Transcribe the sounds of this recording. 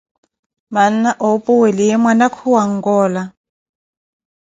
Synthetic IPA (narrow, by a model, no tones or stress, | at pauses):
man̩aʔopʼuwɛlijɛmwanakʰuwaŋ̩ɡɔːla